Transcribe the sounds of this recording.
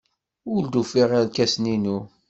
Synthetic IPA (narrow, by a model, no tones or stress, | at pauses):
ʊld̪ufiʁalkæsninu